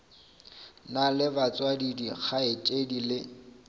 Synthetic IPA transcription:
nalɪbat͡sʼwadidiχʰaɪt͡ʃʼedilɪ

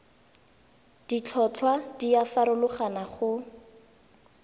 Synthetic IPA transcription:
d̥it͡ɬʰɔt͡ɬʰwad̥iafaɾʊlʊχanaχʊ

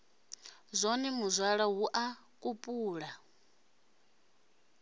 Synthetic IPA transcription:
zʷɔnimuzʷaɺaɦuʔa | kʼupʼuːɺa

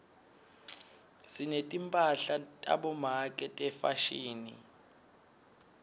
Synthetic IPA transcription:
sinetʼimpʼaɬatʼa̰ɓɔmakʼɛtʼɛfaʃiːnḭ

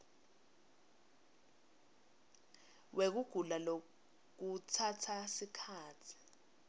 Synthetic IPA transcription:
wek̬uɡ̥ʱulalo | k̬utʰatʰasikʰaːt͡sʰi̥

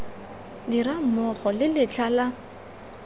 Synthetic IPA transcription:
diɾamɔχɔlɪlɪt͡ɬʰala

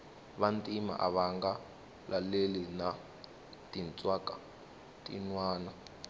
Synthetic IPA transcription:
βantʼima̰ʔa̰βaŋɡa | lʔalelina | tint͡sʼwakʼa | tʼḭnwaːna

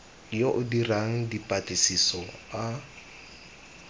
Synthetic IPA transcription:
joʔʊdiraŋ̩dipʼatʼɪsisɔa

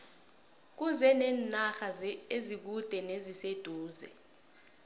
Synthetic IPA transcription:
k̬uzɛnɛːnnaxazezik̬ud̥ʱɛnezised̥ʱuːzɛ̰

